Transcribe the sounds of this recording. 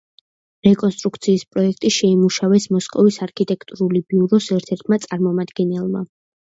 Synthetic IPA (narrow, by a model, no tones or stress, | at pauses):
ɾɛkʼɔnst̪ʼɾuk̚ʰt̪sʰiːspʼɾɔɛkʰt̪ʼiʃɛimuʃavɛsmɔskʼɔvisaɾkʰit̪ʼɛkʰt̪ʼuɾulibiuɾɔsɛɾt̪ʰɛɾt̪ʰmat̪sʼaɾmɔmad̪ɡɛnɛlˠma̰